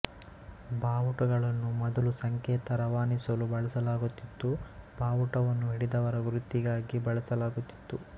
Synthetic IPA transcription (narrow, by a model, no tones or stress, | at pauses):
bʱaːʋuʈɐɡɐɭɐnːumɔd̪ɐlusɐŋkɛːt̪ɐɾɐʋaːnisɐlubɐɭɐsɐlaːɡut̪ːit̪ːubʱaːʋuʈɐʋɐnːuɦiɽid̪ɐʋɐɾɐɡuɾut̪ːiɡaːɡibɐɭɐsɐlaːɡut̪ːi̥t̪ːu